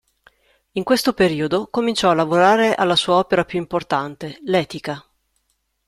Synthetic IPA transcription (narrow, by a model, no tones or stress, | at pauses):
iŋkwest̪opeɾiːod̪okomint͡ʃɔalːavoɾaːɾeʔalːasuːaɔːpeɾapjuimport̪ant̪elɛːt̪ika